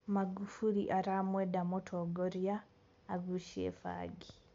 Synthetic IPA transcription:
maɡufuliʔaɾaːmweːdamotʰoɡoɾjaː | ɡuʃḛfa̰ːɡi

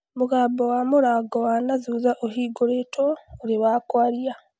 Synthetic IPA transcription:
muɡaːbowamuɾaɡowanazuːzaʔoɦiːɡoɾetʰoːɾiβakwaːɾija

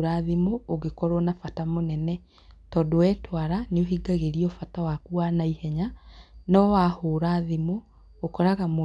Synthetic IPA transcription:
ɾaːðimoːɣekɔɾɔnafatamonɛnɛ | tɔdowɛːtwaɾaneoɦiɡaɣeɾiɔfatawakuanaihɛɲanɔwahoːɾaðimoː | kɔɾaɣamo

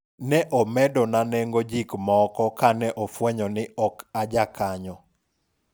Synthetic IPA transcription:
nɛʔɔmɛdɔnanɛŋɡɔd͡ʒikmɔkɔkanɛʔɔfwɛɲɔnɪɔkad͡ʒakaɲɔ

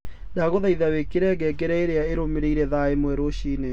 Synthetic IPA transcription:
daɣoðaiðawekeɾɛɣɛɡeɾɛeɾeaeɾomeɾeiɾɛðaemwɛɾoɕine

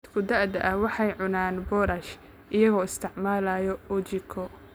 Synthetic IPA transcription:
d̪kʰʊd̪ɐʕd̪ɐ̰ʔɐwɑħɑjʕʊnaːnbɔːɾɐʃ | ʔɪjɐɣɔːɪst̪ʰɪʕmaːlaːjɔɔt͡ʃɪkʰɔ

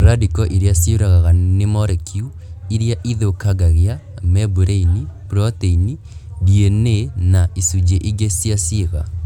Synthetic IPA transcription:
ɾadikɔʔiɾeasioɾaɣaɣanemɔɾɛkʰiu | iɾjaʔiðokaɡaɣea | mɛbuɾeinipɾɔteini | dienenaisud͡ʑeʔiɡesjaseɣa̰

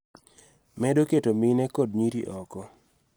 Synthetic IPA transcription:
mɛdoketominɛkod̚ɲiɾiʔɔkɔ

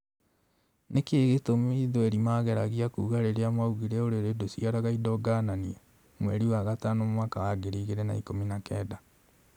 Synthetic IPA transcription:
nekeːɣetomeiðoɛɾimaɣɛɾaɣiakuːɣaɾeɾeamauɣiɾɛoɾeɾedosiaɾaɣaidɔɡanania | mwɛɾiwaɣataːnommwaːkawaɡeɾiɣeɾɛna̰ikominakɛːda

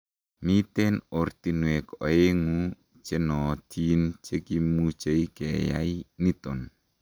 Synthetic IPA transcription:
mit̪enort̪inwekɔeŋu | t͡ʃenɔt̪ʰint͡ʃekimut͡ʃeikeja̰init̪ɔn

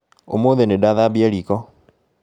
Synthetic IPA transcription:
o̰moːðenedaðabiaɾikɔ

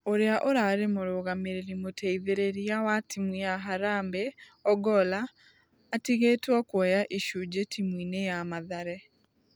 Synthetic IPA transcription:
oɾeaʔoɾaɾemoɾoɣameɾeɾimotɛiðeɾeɾiawatimwijaɦaɾaːmbe | ɔɡɔlaː | tiɣeːtwɔkwɛjaʔiʃud͡ʒetimwiːnejamaðaɾɛ

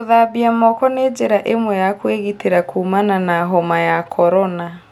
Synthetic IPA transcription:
oðabiamɔkɔned͡ʒeɾaʔemwɛjakweɣiteɾakuːmananaɦɔmajakʰɔɾɔna

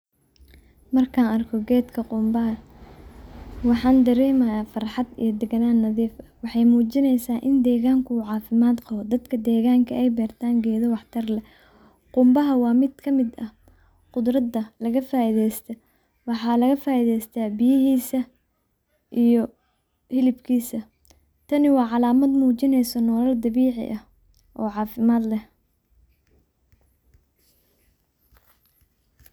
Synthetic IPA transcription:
mɐrkʰaːnɐrkʰɔɡɛːd̪kʰɐqʊmbɐɦɐ | wɑħɑːnd̪ɐɾɛːmɐjaːfɑrħɑd̪ḭjɔd̪ɛɡɐnaːnːɐðiːfɐwɑħɑjmuːt͡ʃɪnɛjsaːʔɪnd̪ɛːɣaːŋkʰʊuːʕɑːfɪmaːd̪qɑhɔd̪ɐd̪kʰɐd̪ɛːɣaːŋkʰɐʔɛjbɛːrt̪ʰaːŋɡɛːðɔwɑħt̪ʰɐrlɛ | qʊmbɐɦɐwɑːmɪd̪kʰɐmɪd̪ɐ | qʊd̪ɾɐd̪ɐlɐɣɐfaːiðɛjst̪ʰɐ | wɑħɑːlɐɣɐfaːiðɛjst̪ʰabɪjɪɦiːsɐ | ʔijɔ | hɪlɪbkʰiːsɐ | t̪ʰɐnɪwɑːʕɑlaːmɐd̪muːt͡ʃɪnɛjsɔnɔːlɐld̪ɐβiːʕɪ̰ʔɐh | ʔɔːʕɑːfɪmaːd̪lɛ

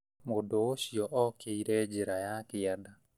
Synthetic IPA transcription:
modooɕjɔʔɔkeiɾɛd͡ʒeɾajakɪada

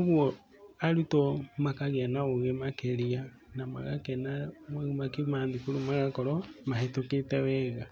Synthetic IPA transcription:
oɣwɔ | aɾutɔmakaɣanaoɣemakeɾia | nama̰ɣa̰kɛnamoɣimakimaːndikuɾumaɣakɔɾɔmahetoketɛwɛɣa

